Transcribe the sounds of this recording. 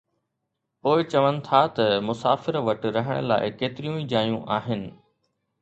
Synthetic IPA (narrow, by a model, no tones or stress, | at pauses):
poːɪt͡ɕɐʋənɪ̆t̪ʰat̪ɐmʊsaːfɪɾʋɐʈɾɐɦəɽ̃ə̰la̰ːɪkeːt̪ɪɾijũid͡ʑaːjũʔaːɦɪnɪ̆